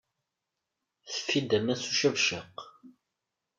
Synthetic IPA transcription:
θə̥fːid̪æmæsuʃævʃəq

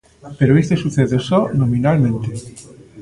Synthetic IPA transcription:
peɾoest̪esuθeðesonominalmẽnt̪e

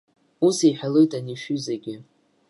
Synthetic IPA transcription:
usiħᶣalojtʼaniʃyzeɡʲɪ

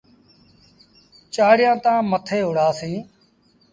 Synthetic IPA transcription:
t͡ʃaːɽɪjãːt̪ãːmət̪ʰeːɦʊɽaːsĩː

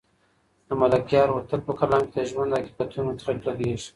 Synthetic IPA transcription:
d̪əmalakjɑːɾwɾt̪al̚pəkalɑ̃mked̪əʒwand̪aki̥bat̪unot̪ɾaʈlad̪eʃ

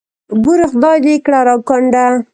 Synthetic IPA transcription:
buɾɪχd̪ɑd̪ekɽaɾɑkɔɳɖa

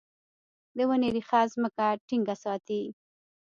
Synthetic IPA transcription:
d̪əwəneɾixazməkaʈiŋɡasɑt̪i

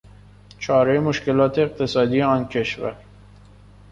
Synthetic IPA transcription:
t͡ʃʰɒːɾemoʃke̞lɒːt̪ʰeːq̚t̪ʰe̞sɒːd̪ijeɒːncʰe̞ʃvæ̰ɾ

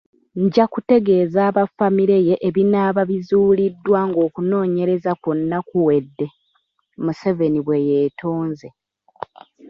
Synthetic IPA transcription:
ɲɟakute̞ɡe̞ːzaːβafamiɾe̞je̞ʔeβinaːβaβizuːlidːwaŋɡo̞ːkuno̞ːɲe̞ɾe̞zakonːakuwe̞dːe̞ | museveniβwe̞jeːtʰo̞ːnze̞

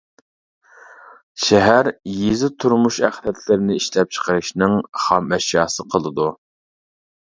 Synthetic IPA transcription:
ʃɛɦæɾjizɪt̪ʰuɾmuʃæχlɛt̪ʰlɪɾɪnɪiʃlɛp̚t͡ʃʰə̥qʰəɾɨʃnɨŋχɑmɛʃjɑːsɨqʰəlˠɨd̪u

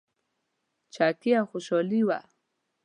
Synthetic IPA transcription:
t͡ʃakiaxʊʃoliwa̰

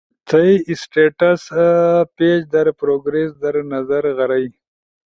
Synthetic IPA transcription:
t͡s̪ʰɐiɪsʈeʈasped͡ʒd̪ɐɾpɾoɡɾesd̪aɾnazaɾɣɐɾaj

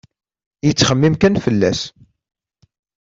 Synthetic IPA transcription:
jət͡sːχəmːimkænfəlːæs

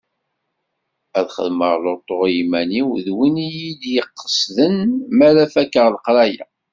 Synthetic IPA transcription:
æðχə̰ðməʁlot̪ˤːoʁjimæniwðwinijid̪jəqːə̥sðənmæɾæfækːəʁlqɾæjæ̰

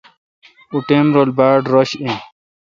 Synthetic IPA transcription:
uʈenɾolbaːɖɾoɕẽ

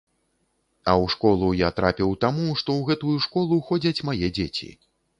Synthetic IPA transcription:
ɐwʂkɔlˠujat̪ɾapʲiwt̪amuʂt̪ɔwɣɛt̪ujuʂkɔlˠuxɔd͡zʲɐt͡sʲmajɛd͡zʲet͡sʲḭ

